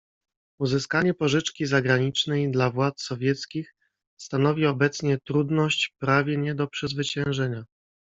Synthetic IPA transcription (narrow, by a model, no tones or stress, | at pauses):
uzɘskaɲɛpɔʐɘt͡ʂkʲizaɡɾaɲit͡ʂnɛjd̪lavwat̪ssɔvʲjɛt̪skʲix | st̪anɔvʲiɔbɛt̪sɲɛt̪ɾud̪nɔɕt͡ɕpɾavʲjɛɲɛd̪ɔpʂɛzvɘt͡ɕɛ̃w̃ʐɛɲa